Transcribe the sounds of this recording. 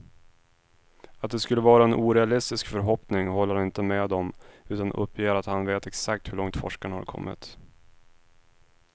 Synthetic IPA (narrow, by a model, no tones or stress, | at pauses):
at̪̚d̪ɛskɵlːəvɑːɾaɛnʔuːɾɛalɪst̪ɪskfœɾɦɔpnɪŋhɔlːəɾanɪnt̪əmɛd̪ɔmʉ̟ːt̪anʔɵ̰pʰːjeːɾat̪hanveːt̪ɛksak̚t̪hɵɭɔŋt̪fɔ̰ʂkanəha̰ɾkʰɔ̰mːɪ̰t̪